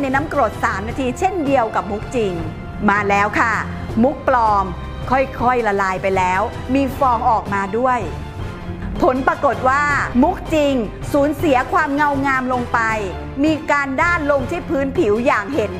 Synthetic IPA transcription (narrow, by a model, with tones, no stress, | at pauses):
na˧jna˦˥mkɾo˨˩t̪̚saː˩˦mnaː˧t̪ʰiː˧t͡ɕʰe˥˩ndi˧əwka˨˩p̚mu˦˥k̚t͡ɕi˧ŋ | maː˧lɛː˦˥wkʰa˥˩ | mu˦˥k̚plɔː˧ŋ | kʰɔ˥˩jkʰɔ˥˩jla˧laː˧jpa˧jlɛː˦˥w | miː˧fɔː˧ŋʔɔː˨˩k̚maː˧du˥˩əj | pʰo˩˦npɾaː˧ko˨˩t̪̚waː˥˩mu˦˥k̚t͡ɕi˧ŋ | suː˩˦nsi˨˩˦ɐkʰwaː˧mŋa˧wŋaː˧mlo˧ŋpa˧j | miː˧kaː˧ndaː˥˩nlo˧ŋt̪ʰiː˥˩pʰɯː˦˥npʰi˩˦wjaː˨˩ŋɦe˨˩˦n